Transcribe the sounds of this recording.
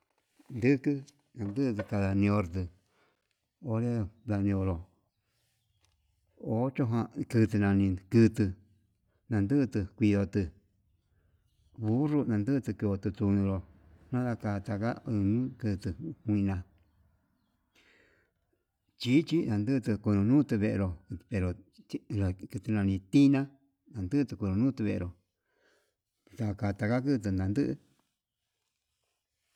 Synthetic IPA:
nd̪ɨ˦kɨ˦ | nã˨˧nd̪ɨ˦˧t̪ɨ˧ka˧ða˧nĩ˧o˧ɾt̪̬ɨ˧ | o˧ɾe˦ða˧nĩ˧o˧lo˨ | o˨˦t͡ʃo˦ɦã˧kɨ˧t̪̬ɨ˧nã˧nĩ˧kɨ˧t̪ɨ˧ | nã˧nd̪ɨ˦˧t̪ɨ˧kʷi˧ðo˧t̪ɨ˧ | βu˦ʐu˦˧nã˧nd̪ɨ˦˧t̪ɨ˧ki˧o˧t̪ɨ˧t̪u˧nĩ˧lo˧ | nã˦ða˧ka˧t̪a˧ka˦ɨ˧nũ˦kɨ˧t̪ɨ˧kʷĩ˧nã˧ | t͡ʃi˦t͡ʃi˦nã˧nd̪ɨ˦˧t̪ɨ˧ku˧nũ˧nũ˦t̪ɨ˧βe˧ʔḛ˧ɾo˧pe˧ɾo˨˧ɾa˨kɨ˧t̪ɨ˧nã˧nĩ˧t̪i˦nã˦ | nã˨˧nd̪ɨ˦˧t̪ɨ˧kʷu˧ɾũ˧nũː˦t̪ɨ˧βe˧ʔɾo˨ | ða˧ka˧t̪a˧ka˦k̬ɨ˦˧t̪̬ɨ˧nã˧nd̪ɨ˦ʔɨ˧

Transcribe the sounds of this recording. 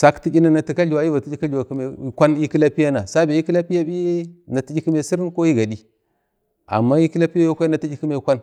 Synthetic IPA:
sa˦kti˦t͡ʃi˦na˦na˨ti˨ka˦ɮu˨wa˨i˦va˨ti˦d͡ʒi˦ka˦i˨wa˨kme˨kʷa˦ni˦ki˦la˦pi˦ja˦na˨sa˦be˨ji˦ki˦la˦pi˦ja˦bi˦na˨ti˦d͡ʒi˦ki˦me˨si˦ɾnko˦ji˦ɡa˨di˦ | a̰˨mːa˦ji˦ki˦la˦pi˦ja˦jo˦kʷa˦i˦na˨ti˦d͡ʒi˦ki˦me˨kʷa˦n

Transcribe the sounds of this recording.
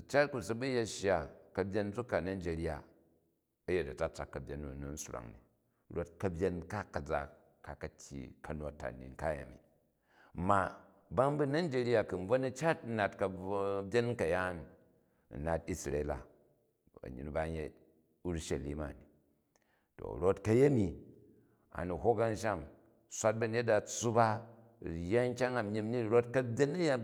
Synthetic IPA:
u˨t͡ʃa˦t̚ku˨sɐ˦bu˦je˦ʃa˨kɐ˨bʲje˦n˦d͡zu˦kːa˨na˦n˦d͡ʒe˨ɾi˦a˨ | ɐ˦je˦tɐ˨ta˦t͡sa˨kːɐ˨bʲje˦nːu˨nu˨n̩˦su˦ɾa̰˨ŋnḭ˨ | ɾo˦t̚kɐ˦bʲje˦nka˦kːɐ˨d͡za˨ | ka˨kɐ˨tʲjḭ˨kɐ˨no˨tːa̰˨nḭ˨ŋ̩˨ka˦ja̰˨mḭ˨ | ma˨ | ba˦ŋbu˦na˦n˦d͡ʒe˦ɾi˦a˦kɨ˨n̩˦b͡vo˦nu˦t͡ʃa˦t̚n̩˦na˨tkɐ˧˦bʲe˦nŋ˦kɐ˨ja˦n̰˨ | na˨ti˦sɾḛ˨˦la̰˨ | bɐ̰˨ɲḭ˨nba˦ɲe˦ | u˦ɾʃɐ˨lḭ˦ma̰˨ni˨ | to̰˨ɾo˦tkɐ˦je˦mi˨ | a̰˨nu˨ɦo˦ka˦n˦ʃ̬a˦˨m | sʷa˦t̚bɐ˨ɲe˦t̚da˨t͡sːu˦ba˦˨ | ja˦ŋ̩˦kʲa˦ŋa˨mi˦mni˦ɾo˦tkɐ˦bʲe˦nɐ˦ja˦

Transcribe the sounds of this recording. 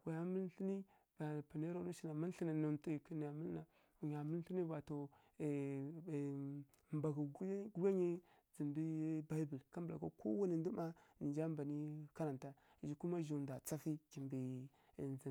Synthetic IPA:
wa˨ja˦mə˦lɬi˦ni˦ | b̥a˨pa˨ne˦ɾo˦nu˦ʃi˦na˨mi˦n˦ɬi˦ni˨na˨n˦tu˦i˨ki˦n˨ja˨mə˦lna˨ | u˨ɲa˨mu˦lɬi˦ni˦ba˨to˨ | mba˨ɡu˨ɡɡu˦ɡa˦ɲi˦ | zi˨mbi˦ba˦bu˨lka˦mba̰˨ko˦ko̰˦wa˦ni˨ndu˦ma˦ni˨d͡ʒa˦mba˨ni˦ka˦ɾa˨nta˦ | i˨d͡ʒi˦ku˦ma˦ʒu˨nda˨t͡sa˦fi˦ki˨mbi˨ | nzi˨

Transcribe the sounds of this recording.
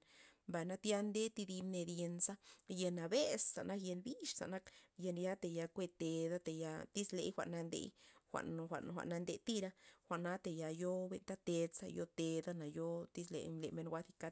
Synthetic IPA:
mba˧˨jna˦t̪ja˦nd̪e˦t̪i˧d̪i˧mne˧d̪je˧nsa˦je˧na˨be˦sːa̰˨na˦kje˧nbi˦ʃsa̰˨na˦kje˧nja˦t̪e˧˨ja˧kʷe˧t̪e˧d̪a˦t̪e˨ja˧t̪i˦slḛ˧˦jxʷa̰˧ʔna˧nd̪ḛ˧˦jxʷa̰˨n˧xʷa̰˨ʔn˨xʷa̰˨ʔna˧nd̪e˧t̪i˦ɾa˦xʷa˧˨ʔna˦t̪e˨ja˧jo˦be˧nt̪a˦t̪e˧sa̰˧jo˦t̪e˧d̪a˦na˨jo˦t̪i˦slḛ˧ɲle˨me˧nɡʷa˧˦t̪i˧ka˦

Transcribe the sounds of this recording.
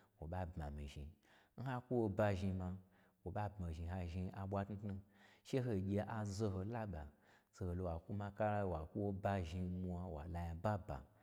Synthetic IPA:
wo˨ɓa˦bma̰˨mḭ˨ʒḭ˨ | n̩˦ɦa˦ku˦wo˧ba˧ʒi˧ma˧ | wo˨ɓa˦bma˨ʒi˨ɦa˧ʒi˧a˨ɓʷa˦tnu˦tnu˧ʃe˦ɦo˧˨ɡʲe˧ʔa˨zo˧ɦo˧la˦ba˨ | zo˧ho˨lo˧wa˨ku˦ma˧ka˦ɾa˦˧˨wa˨ku˦wo˧ba˧ʒi˧mu˧a˧wa̰˨la˧ja˨ba˦ba̰˨

